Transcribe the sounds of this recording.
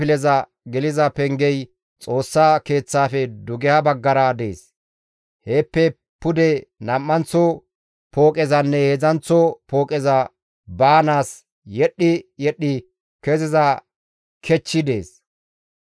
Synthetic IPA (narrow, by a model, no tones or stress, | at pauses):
ɪlɛzɐ | ɡɛlɪzɐpɛŋɡɛj | t͡sʼo̞ːsːaːke̞ːt͡sːaːfɛd̪ʊɡɛhɐbɐɡːɐɾɐd̪e̞ːs | heːpːɛ | pʊd̪ɛnɐmːɐnt͡sɔ | po̞ːkʼɛzɐnːɛhɛzɐnt͡sːɔpo̞ːkʼɛzɐ | baːnaːs | jɛɗːɪjɛɗːɪ | kɛzɪzɐ | kʰɛt͡ʃːɪd̪e̞ːs